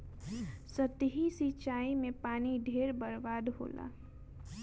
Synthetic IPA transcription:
sət̪ɦisit͡ʃaːimẽpaːniɖʱeːɾbəɾbaːd̪ɦo̰ːlʔa̰ː

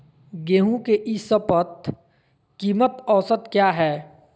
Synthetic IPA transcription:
ɡeːɦũkeʔɪsəpət̪ | kiːmət̪ɔːsət̪kjaːɦɛː

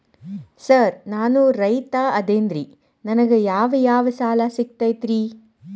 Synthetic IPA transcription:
sɐɾnaːnuɾɐjt̪aːɐd̪eːnd̪ɾi | nɐnɐɡejaːʋɐjaːʋɐsaːlasik̚t̪ajt̪ɾi

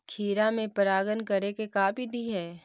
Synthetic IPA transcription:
kʰiːɾamẽpəɾaːɡənkɐɾekekaːbʱid̪ʱiɦɛː

